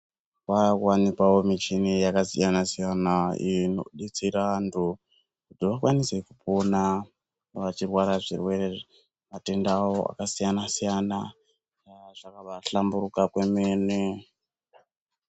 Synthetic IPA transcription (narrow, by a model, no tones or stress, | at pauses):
wakwanikawo̞mit͡ʃinijakasijanasijanaino̰ɗit͡siɾantʰu | kutiʋakwanise̞kupona | noʋat͡ʃirwaɾaʐḭrwe̞rer | mate̞ndawo̞a̰kasijanasijana | ʐ̥akaʋaɬambuɾukakwe̞mene